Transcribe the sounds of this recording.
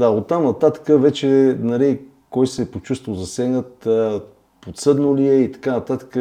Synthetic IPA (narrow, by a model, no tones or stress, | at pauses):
d̪aot̪ːamnɐt̪at̪ə̥kəvɛt͡ʃɛnɐli | kɔjsɛpot͡ʃust̪volˠzɐsɛɡnət̪ | pot̪sɤd̪noliɛit̪ɐ̥kanɐt̪at̪ə̥kə